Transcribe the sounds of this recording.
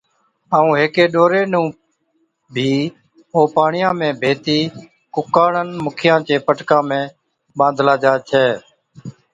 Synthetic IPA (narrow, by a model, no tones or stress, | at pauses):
aːũːɦeːkeːɗoːɾeːnũː | bʱiː | oːpaːɳɪjãːmẽːbʱeːt̪iː | kʊkaːɳənmʊkʰɪjãːt͡ʃẽːpəʈkãːmẽː | ɓãːnd̪ʱlaːd͡ʒaːt͡ʃʰɛː